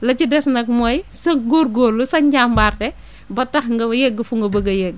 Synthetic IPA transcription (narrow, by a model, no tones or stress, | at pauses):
lɐt͡ʃidɛsnɐk̚mɔjsɐɡoːɾɡoːlːusɐɲɟambaːrdɛ | bɐtɐxŋɡɐbɐjɛɡ̚ɡɐfuŋɡɐbɐɡɐjɛɡ̚